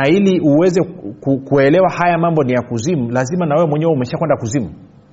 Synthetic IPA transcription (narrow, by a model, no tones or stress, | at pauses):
ailiʔuwɛzɛkukuɛlɛwahajamambɔnijakuzim̩lazimanawɛwɛmwɛɲɛwɛumɛʃakwɛndakuzimu